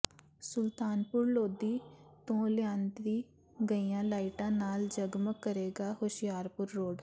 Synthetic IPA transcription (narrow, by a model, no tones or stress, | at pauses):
sʊlt̪aːnpʊɾloːd̪iːt̪õːlɪjãːnd̪ʋiː | ɡəiːjãːlaːɪʈãːnaːld͡ʒəɡməkːəɾeːɡaːɦoʃɪjaːɾpʊɾːoːɖ